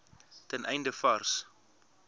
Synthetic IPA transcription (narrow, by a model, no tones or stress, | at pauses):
tɛnʔɛjndəfɐrs